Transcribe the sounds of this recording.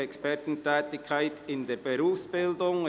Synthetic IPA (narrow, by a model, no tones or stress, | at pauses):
ɛkspɛɐtn̩tʰɛːtɪkʰːaɪtɪndeːbeɾuːfsb̥ɪldʊŋ